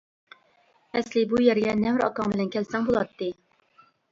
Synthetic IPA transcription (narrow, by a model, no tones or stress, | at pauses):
ɛslɪbujæɾɡʲɛnɛmɾɑ̰kɑŋbɪlɛnkʲʰɛlsɛŋbolˠɑt̪ːɨ